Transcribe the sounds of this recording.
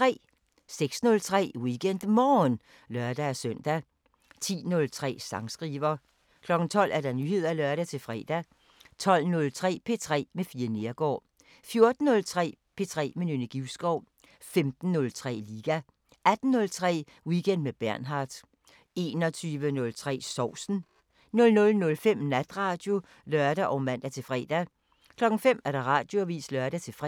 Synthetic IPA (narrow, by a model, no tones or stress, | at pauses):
t͡sʁɛ̰ː | seɡ̥snɔ̽lt͡sʰʁɛ̰ːwiɡ̥en̰d̥mɒːn | lɶɐd̥ææsœn̰d̥æ | t͡sʰḭːnɔ̽lt͡sʰʁɛ̰ːsɑ̈ŋsɡ̥ʁiːʋɐ | kʰlɒ̽ɡ̥n̩t͡sʰɒ̽l̰ʔæɐɾ̥ɑ̈nyːɦe̝ð̞̰ˠælœɐɾæt͡sʰe̝fʁɛ̰ːd̥æ | t͡sʰɒ̽l̰nɔ̽lt͡sʰʁɛ̰ːpʰe̝t͡sʰʁɛ̰ːmefiːɐne̝ɐɡ̥ɒ̰ː | fjo̝ɐd̥n̩ːɔ̽lt͡sʰʁɛ̰ːpʰe̝t͡sʰʁɛ̰ːmenynəɡ̥iʊsɡ̥ɒʊ̰ | femd̥n̩ːɔ̽lt͡sʰʁɛ̰ːliːɡ̥æ | æd̥n̩ːɔ̽lt͡sʰʁɛ̰ː | wiɡ̥en̰d̥meb̥æɐnɦɑ̈ːd̥ | e̝ːnɒ̽t͡sʰyːʋənɔ̽lt͡sʰʁɛ̰ːsɒʊ̰sn̩ | nɔ̽lnɔ̽lnɔ̽lfem̰næd̥ʁɑ̈ːd̥jo̝ | lɶɐd̥æʔɒ̽ʊmæn̰d̥æt͡sʰe̝fʁɛ̰ːd̥æ | kʰlɒ̽ɡ̥ŋ̩fem̰æɐɾ̥ɑ̈ʁɑ̰̈d̥jo̝æʋḭːslɶɐɾ̥æt͡sʰe̝fʁɛ